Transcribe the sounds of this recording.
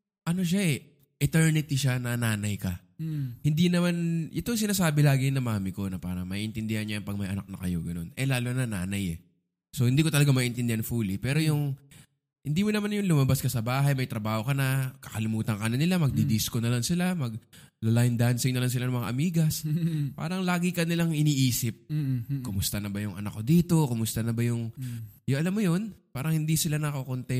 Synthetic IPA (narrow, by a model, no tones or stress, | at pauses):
ʔɐno̞ʃaʔɛ | ʔɪt̪ɛɹnɪt̪iʃanɐnaːnɐjkɐ | hɪnd̪inɐmanjɛt̪oŋs̬ɪnaːsaːbɪlaːɡɪnɐmaːmɪko̞nɐpaːɾɐŋmɐʔiʔɪnt̪ɪnd̪ɪhanɲajnpɐɡ̚mɐjʔɐ̰na̰k̚nɐkɐjo̞ɡɐno̞nʔɛlaːlonɐnaːnɐjɛ̰ | so̞hɪnd̪iːkot̪ɐlɐɡamɐiʔɪnt̪ɪnd̪ɪanfulipɛːɾo̞jʊŋ | hɪnd̪iːmonɐmanjʊŋlʊmɐbaskɐsɐbaːɦɐjmɐjt̪ɾɐbaːho̞kɐnɐkɐkɐlɪmuːt̪ɐŋkɐnɐnɪlamɐɡ̚d̪id̪iskonɐlaŋsɪlamɐɡ̚ | lɐlajnd̪ansɪŋnɐlaŋsɪlanɐŋmɐŋa̰ʔɐmiːɡɐspa̰ːɾɐŋlaːɡɪkɐnɪlaŋɪniːʔiːsɪp̚kʊmʊst̪ɐnɐbɐjʊŋʔɐ̰nakːo̞d̪iːt̪o̞kʊmʊst̪ɐnɐbɐjʊŋjʊŋʔɐlamːojo̞npaːɾɐŋhɪnd̪isɪlanɐkokont̪ɛ